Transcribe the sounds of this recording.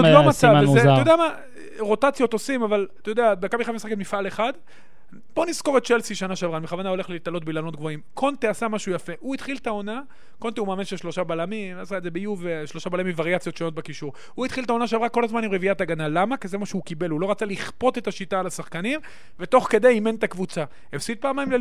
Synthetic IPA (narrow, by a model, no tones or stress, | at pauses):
ovamaavzetojod̪eama | ʁo̞t̪at͡sjo̞t̪osimavalt̪jod̪eabekabiχavmisaekemifale̞χad̪ | b̥onisko̞ʁett͡ʃelsiʃanaʃavʁanmeχavanao̞le̞χleitalo̞t̚bilano̞t̪ɡvo̞imkʰo̞nt̪easamaʃujafe̞ʔuit̪χiltao̞na | kont̪iumaːminʃeʃlo̞ʃabalamimasaeze̞bejuveʃlo̞ʃabalamimvaʁjat͡sjo̞t̪ʃo̞no̞t̪̚bekiʃuʁ | huit̪χilt̪̬ao̞naʃ̬avʁako̞lazmanimʁeviataɡanalamakeze̞maʃeukibe̞lhulo̞ʁat͡saliχpo̞t̪e̞t̪aʃitaːlasaχkanim | ve̞t̪o̞χke̞d̪ejime̞nt̪akvut͡sa | efsit̪̚paːmaimle